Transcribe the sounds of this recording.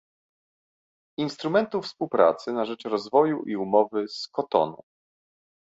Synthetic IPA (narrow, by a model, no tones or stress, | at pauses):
inst̪ɾumɛnt̪ufspuwpɾa̰t̪sɘnaʐɛt͡ʂɾɔzvɔjuʔiumɔvɘskɔt̪ɔ̰nṵ